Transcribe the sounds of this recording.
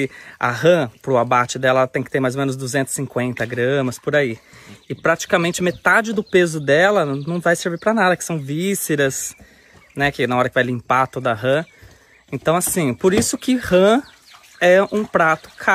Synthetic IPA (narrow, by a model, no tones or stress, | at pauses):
ɪɐ̰hɐ̃pɾʊabat͡ʃɪd̪ɛlɐɛlɐt̪ẽj̃kɪt̪eɾmajzomẽnʊzd̪uzẽnt̪ʊ̥sɪ̥sĩkwẽnt̪ɐɡɾɐ̃mɐspʊɾaiɪpɾat͡ʃi̥kɐmẽnt͡ʃɪmet̪ad͡ʒɪd̪ʊpezʊd̪ɛlɐnɐ̃w̃vajseɾviɾpɾɐnad̪ɐkɪ̥sɐ̃w̃viseɾɐs | nɛkɪnɐɔɾɐkɪvajlĩpat̪od̪ɐɐɦɐ̃ | ẽnt̪ɐ̃w̃asĩpoɾisʊkɪhɐ̃ | ɛũpɾat̪ʊ̥kʰa